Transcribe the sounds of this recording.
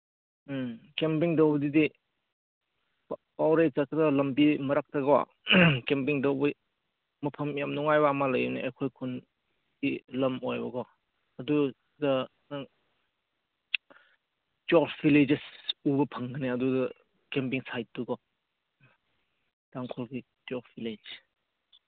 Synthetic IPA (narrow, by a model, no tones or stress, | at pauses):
kempiŋdɐwbɐdidi | pawɾezakdɐlɐmbimɐɾak̚tɐɡɔwa̰ | kempiŋdɐwbɐ | mɐpʰɐmjamnuŋajbaamalɐjneɐjkʰojkʰun | dilɐmojbɐɡɔ | ɐdu | ɡɐ | naŋ | tɔɾbiled͡ʒesubɐpʰɐŋɡɯneɐduɡɐ | kemp̬iŋsaj̚tːuɡɔ | d̥aŋkʰɔlɡi | tɔɾfiled͡ʒ